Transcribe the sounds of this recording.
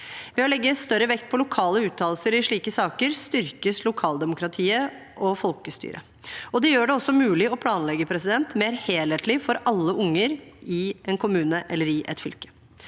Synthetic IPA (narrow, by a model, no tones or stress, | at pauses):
ʋɛɔlɛɡːəst̪œɾəʋɛkt̪̚pʰɔlʊkʰɑːləʉːt̪ʰːɑːlsəɾɪʂɭiːkəsɑːkəɾst̪ʏɾkəslʊkʰɑːld̪ɛmʊkɾɑt̪ʰiːə | ʔɔfɔlkəst̪y̰ːɾʔə̰ | ɔd̪ɛjøːɖɛɔsːɔmʉːlɪɔpʰlɑːnlɛɡːəpʰɾɛsɪd̪ɛnt̪meːɾheːleːt̪lɪfɔɾɑlːəʔʊŋːəɾɪʔɛnkʰʊmʉːnəʔɛlːəɾɪʔɛ̰t̪fʏlkə̥